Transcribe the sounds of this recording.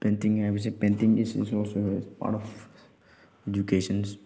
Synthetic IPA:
pẽnt̪ɪ̃ŋaʋis̬epẽntɪ̃ŋɪzɪ̰zɔːlsoɪzpa̰ːɾʈɔf | ed͡ʒukeːʃə̃ns

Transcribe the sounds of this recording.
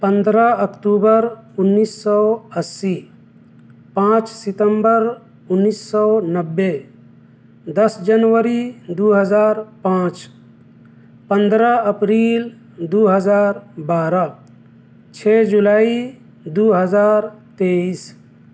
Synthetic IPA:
pə̃nd̪ɾəəkʈuːbəɾʊnːisːɔəsːi | pãːt͡ʃsɪt̪əmbəɾ | ʊnːiːsːɔːnəbːe | d̪əsd͡ʒənʋəɾid̪uːɦəzaːɾpãːt͡ʃ | pə̃nd̪ɾəəpɾiːl | d̪uːɦəd͡ʒaːɾbaːɾa | t͡ʃʰeːd͡ʒulaːi | d̪uːɦəzaːɾt̪eːis

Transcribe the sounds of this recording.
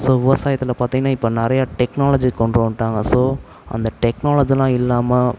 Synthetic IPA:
soːʋɪʋɐsaːjɐt̪ːɪlɐpaːɾt̪iŋɡɐnːaːɪpːonɪɾɐjaːʈɛknaːlɐd͡ʒikɔɳɖɾɐʋɐɳʈːaːŋɡɐsoː | ɐ̰nd̪ɐʈɛknaːlɐd͡ʒilãːɪlːaːmɐ

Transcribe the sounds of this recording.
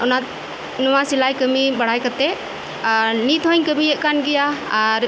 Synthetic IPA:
ɔna | nɔwasilajkəmibaɽ̤ajkat̪ɛ | nit̪ɦɔɲkəmiɛʔ̚kanɡɛjaaɾ

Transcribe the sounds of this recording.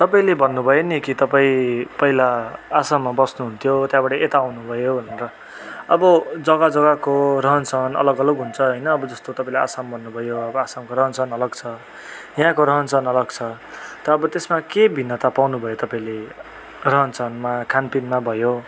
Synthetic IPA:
t̪ʌpaĩlebʱʌnːubʱʌjonikit̪ʌpaĩpʌɦilaːsamːabʌsnuɦunt̪ʰjot̪jãbaʈʌʔet̪aːwnubʱʌjobʱʌneɾʌ | ʌbʌd͡zʌɡad͡zʌɡakorʌɦʌnt͡sʰʌnʌ̰lʌɡʌlʌɡɦunt͡sʰʌɦʌjnʌːbʌd͡zʌst̪ot̪ʌpãĩlaa̰sambʱʌnːubʱʌjoʌbʌasamkoɾʌɦʌnt͡sʰʌnʌlʌɡt͡sʰʌ | jãkoɾʌɦʌnt͡sʰʌnʌlʌɡt͡sʰʌ | t̪ʌːbʌt̪esmakebʱinːʌt̪apawnubʱʌjot̪ʌpaĩle | rʌɦʌnt͡sʰʌnmakʰanpinmabʱʌjo

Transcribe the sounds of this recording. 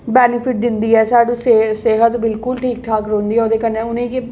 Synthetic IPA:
bɛːnɪpʰɪʈ̚d̪ɪnd̪iːɛːsaːɖũːseseɦət̪bɪlkʊlʈʰiːk̚ʈ̪ʰaːkɾõːnd̪iːɛoːd̪eːkənːẽːʊnẽːkɪ

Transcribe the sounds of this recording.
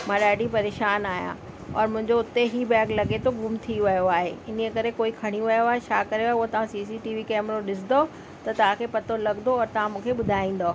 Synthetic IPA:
m̤ãːɗaːɖipɐɾeːʃaːnaːjã̰ | ɔːɾmʊ̃ɦɪ̃ɲd͡ʑoʊt̪eɦibɛːɡlɐɡet̪ʰoɡʱʊmt̪ʰiʋɐjoaːɦḛɪn̤iekɐɾekoːikʰɐɽ̃iuʋɐjoaːɦet͡ɕʰaːkɐɾeaːɦeuɦot̪ɐʋ̤ãsiːs̬iʈiːʋikɛːmɾoɗɪs̬d̪o | t̪ɐt̪ɐʋ̤ãkʰepɐt̪olɐɡnd̪oɔːɾt̪ɐʋ̤ãmũːkʰeɓʊd̪ʱaːĩːn̆d̪oː

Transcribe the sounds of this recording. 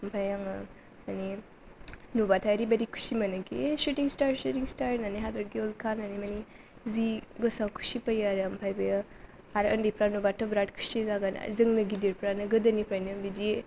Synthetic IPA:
ɐmpʰajaŋ | mɐni | nubatʰajɾibɐɾikʰu̥simɐnɐɡesutiŋstaɾsutiŋstaɾnaniɦadɔɡiolkʰananimɐni | ziɡɯsakʰu̥sipajaɾɐmpʰajbɐja | aɾəndipɾanubatɔbɾatkʰu̥sizaɡana̰zɯŋnɯɡidiɾpɾanɯɡɯdɐnipɾajnɯbidi

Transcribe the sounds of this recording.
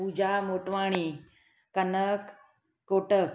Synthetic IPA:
ud͡ʑamoːʈʋaːɽ̃i | kənəkː | oːʈək

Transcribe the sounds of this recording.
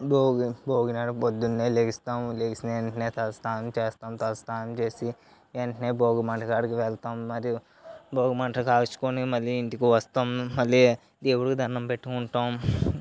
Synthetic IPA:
boːɡboːɡinaːɽpod̪ːunːeːleːkist̪aːmleːkisneeɳʈneːt̪ʰɐst̪aːnmt͡ʃeːst̪aːmt̪ɐst̪aːnmt͡ʃeːsi | eɳʈneːboːɡɐmɐɳʈʰɐkaːɽkeʋeːlt̪aːmːɐɾi | boːɡɐmɐɳʈɐkaːɡt͡ʃu̥koːnimɐljiint̪ikuʋɐst̪aːmːɐlːi | d̪eːwuɽkud̪ʱɐɾnɐmbeʈːukuɳʈaːm

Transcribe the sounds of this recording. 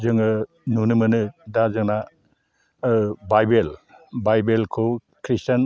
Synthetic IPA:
zɯŋɯ | nunɯmɯnɯdazɯŋna | bajbel | bajbelkʰɯ | kʰɾistan

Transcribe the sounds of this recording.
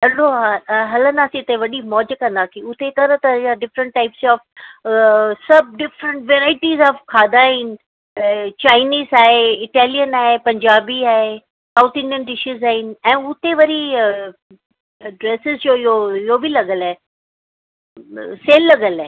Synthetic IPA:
ɐloɦɐlə̃nd̪aːsĩt̪eʋɐɗimɔːd͡ʑkɐ̃nd̪aːk̪ʰiʊt̪et̪ɐɾət̪ɐjaɖɪfɾə̃ɳʈ̚ːaːɪpsɔːf | sɐb̚ɖɪfɾə̃ɳʈʋeːɾaːɪʈizɔːfkʰaːd̪aːɦɪnɪ̆ | t͡ɕaːɪniːzaːɦeɪʈɛːlijənaːɦepɐ̃ɲd͡ʑaːbiaːɦe | saʊt̪ɪ̃nlə̃nɖɪʃɪzaːɦɪnɪ̆ɛ̃ːʊt̪eʋɐɾi | ɖɾeːsɪzjoɪɦoɪɦobʱilɐɠəlaɦe | seːlːɐɡəlaɦ

